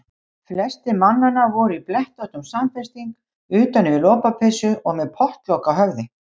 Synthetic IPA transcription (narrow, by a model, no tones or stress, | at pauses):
flɛst̪ɪmanːanːavɔɾiplɛht̪ɔht̪ʏmsamfɛ̥st̪iŋk | ʏːt̪anːɪvɪlɔːpapʰɛsʏɔɣmɛðpʰɔht̪lɔwkaɦœɣðɪ